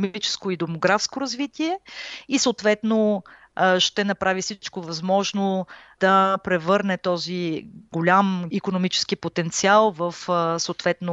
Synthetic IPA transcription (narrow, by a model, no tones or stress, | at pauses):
mit͡ʃɛ̥skoid̪omoɡɾafskoɾɐzvit̪iɛisoːt̪vɛt̪no | ʃt̪ɛnɐpɾʔavifsit͡ʃkovɐzmɔʒnod̪̥ɐpɾɛvɤɾnɛt̪ɔziɡolʲamikonomit͡ʃɛ̥skipot̪ɛnt̪sialˠvɐfsoːt̪vɛt̪no